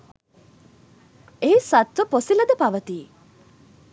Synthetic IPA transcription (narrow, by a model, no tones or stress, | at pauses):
eisat̪ʋəposiləd̪əpaʋət̪iː